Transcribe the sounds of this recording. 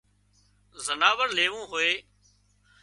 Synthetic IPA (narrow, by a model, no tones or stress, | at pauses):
zənaːʋəɾleːʋũːɦʊeː